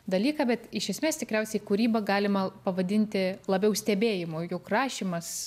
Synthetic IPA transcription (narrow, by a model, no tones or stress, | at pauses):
d̪ɐlʲiːkɑbʲɛt̪ɪʃʲɛsʲmʲeːst̪ʲɪkɾʲɛʊsʲɛɪkʊɾʲiːbɐɡɑːlʲɪmɐpɐʋɐd̪ʲɪnʲt̪ʲɪlˠɐbʲɛʊsʲt̪ʲɛbʲeːjɪmʊjʊkrɑːʃʲiːmɐs